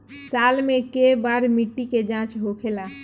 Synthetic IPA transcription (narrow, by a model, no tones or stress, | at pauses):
salmekebaɾmiʈːiked͡ʒãt͡ʃɦokʰela